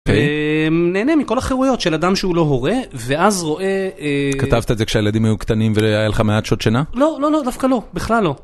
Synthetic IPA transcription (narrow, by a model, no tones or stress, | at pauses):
kejneːnemiko̞laχeʁujo̞tʃelad̪amʃeulo̞ɦo̞ʁe̞veazʁo̞ʔe̞kat̪avt̪aezekʃeajelad̪imajukt̪animvejajaleχameat̪ʃot̪ʃanalo̞lo̞lo̞d̪afkalo̞biχlalːo̞